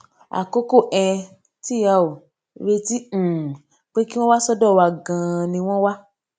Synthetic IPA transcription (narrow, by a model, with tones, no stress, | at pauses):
a̰˨ko˦ko˦˨ʔɛ̃˧ | ti˦˨ja˨o˨ | ɾe˧tĩ˦˨ | k͡pe˦ki˦w̃ɔ̃˦wa˦sɔ˦dɔ˦˨wa˧˨ɡã˧˨nĩ˧w̃ɔ̃˦wa˦